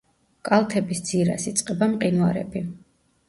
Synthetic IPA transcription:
kʼalˠt̪ʰɛbisd̪ziɾa̰sit̪sʼqʼɛbamqʼinuaɾɛ̰bi

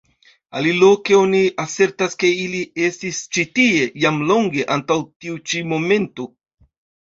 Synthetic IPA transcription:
alilo̞ke̞o̞niase̞ɾtaske̞ilie̞stist͡ʃitie̞jamlo̞ŋɡe̞ʔantawtiut͡ʃimo̞me̞nto

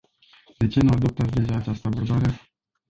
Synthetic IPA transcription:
d̪e̞t͡ʃe̞nuad̪op̚t̪at̪sd̪e̞ʒaːt͡ʃast̪əbərbaɾe̞

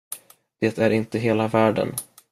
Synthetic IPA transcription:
d̪̥eːt̪ʰæɾɪnt̪əɦeːlavæːɖə̰n

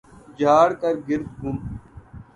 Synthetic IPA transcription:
d͡ʒaːɽkɐɾɡɪɾt̪ɡʱʊm

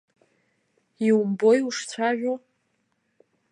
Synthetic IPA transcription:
iwumbo̞juʂt͡sʷʰaʒᶣo

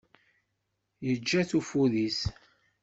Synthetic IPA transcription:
jəd͡ʒːæθufuðis

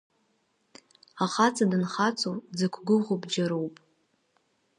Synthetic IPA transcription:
aχat͡sʰʼadɨnχat͡sʰʼowd͡zakʷʰɡʊʁʷobd͡ʒaɾowpʼ

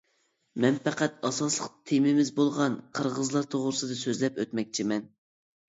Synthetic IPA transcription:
mɛnpʰæqæt̪ɑsɑslˠəqt̪ʰemɪmɪzbolˠʁɑnqʰəɾʁəzlˠɑɾt̪ʰoʁɾɨsɨd̪ɨsøzlɛpøt̪mɛk̚ʲt͡ʃʰimɛn

